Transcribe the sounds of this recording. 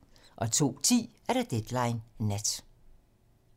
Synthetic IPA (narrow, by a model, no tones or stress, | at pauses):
ʔɒ̽t͡sʰo̝̰ːt͡sʰḭːæɐɾ̥ad̥ed̥lɑ̈ɪnnæd̥